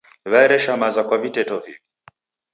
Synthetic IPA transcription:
βaɛɾɛʃamazakwavitɛtɔvḭβi

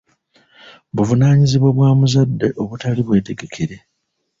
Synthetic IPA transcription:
βuvunaːɲiziβwo̞βwaːmuzadːe̞ʔo̞βutaliβwe̞ːte̞ɡe̞kʰeɾe̞

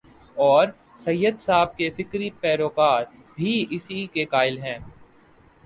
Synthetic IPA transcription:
ɔːɾ | sɐjːəd̪saːb̚kefɪkɾipɛːɾoːkaːɾ | bʱiɪsikekaːɪlɦɛ̃ː

